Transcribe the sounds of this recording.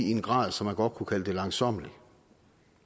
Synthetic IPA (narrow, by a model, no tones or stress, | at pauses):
ienɡ̥ʁɑ̰̈ːð̞̰ˠsɒ̽mːænɡ̥ɒ̽d̥̚kʰukʰæləd̥e̝lɑ̈ŋsɒ̽m̰əli